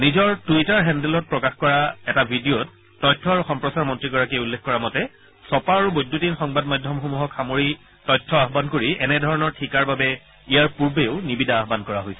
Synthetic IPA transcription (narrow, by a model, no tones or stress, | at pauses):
nizɔɹtuitaɹɦɛndɛlɔt̚pɹɔkaxkɔɹaɛtabʱidiotː | ɔjtʰːɔɹuxɔmpɹɔsaɹmɔntɹiɡɔɹakijulːekkɔɹamɔtɛ | sɔpaaɹubojdʱːutinxɔŋbadmajdʱjɔmxomuɦɔkxamoɹi | tɔjtʰːɔaɦbankoɹiʔɛnɛdʱɔɹɔnɔɹtʰikaɹbabɛ | ijaɹpuɹbeʊnibidʱaːɦbankɔɹaɦojsɛ